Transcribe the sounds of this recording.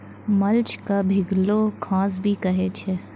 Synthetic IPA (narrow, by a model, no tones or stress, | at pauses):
mɐlt͡ʃkabʱɪɡlokʰãːs̬bʱikɐɦet͡ʃʰe